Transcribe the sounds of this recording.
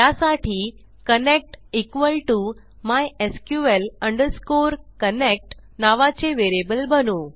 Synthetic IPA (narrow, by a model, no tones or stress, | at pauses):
jasaʈʰiː | kənek̚ʈikʋəlʈu | majeskjuʋeləɳɖəɾskoɾkənek̚ʈ | naʋat͡seʋeɾebəlbənu